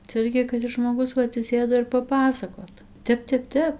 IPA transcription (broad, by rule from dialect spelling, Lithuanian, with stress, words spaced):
t͡sʲɛ ˈɪrʲɡʲɪ kɐt ˈɪs ʒmoːˈɡʊs ˈʋɐ ɐtʲsʲɪˈsʲeːdoː ɪr pɐˈpɑːsɐkoːt ˈtʲɛp ˈtʲɛp ˈtʲɛp